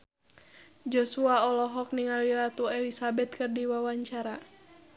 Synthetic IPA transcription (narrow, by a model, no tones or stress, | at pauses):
d͡ʒɔsuaɔlɔɦɔk̚niŋaliɾat̪uɛlisabɛt̪̚kɨrdiwawaɲt͡ʃaɾa